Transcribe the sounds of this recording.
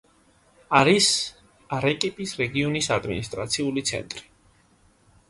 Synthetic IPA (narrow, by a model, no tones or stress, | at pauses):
aɾis | aɾɛkʼipʼisɾɛɡiɔnisad̪mḭnist̪ʼɾa̰t̪sʰiulit̪sʰɛ̰nt̪ʼɾi̥